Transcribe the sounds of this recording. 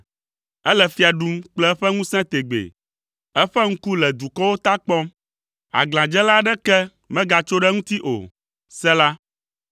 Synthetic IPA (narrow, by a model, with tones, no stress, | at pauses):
ɛ˦lɛ˨fi˦a˨ɖu˦mk͡plɛ˦ɛ˦ɸɛ˦ŋũ˦sɛ̃˦t̪e˨ɡ͡bḛ˨ | ɛ˦ɸɛ˦ŋ̩̃˦ku˦lɛ˨d̪u˨kɔ˦wo˦t̪a˦k͡pɔ˦m | a̰˨ɡlã˨d͡ʒɛ˦la˦ɖɛ˦kɛ˦ | mɛ̃˦ɡa˨t͡ʃo˦ɖɛ˦ŋũ˦t̪i˦ʔo̰˨ | sɛ˦la˦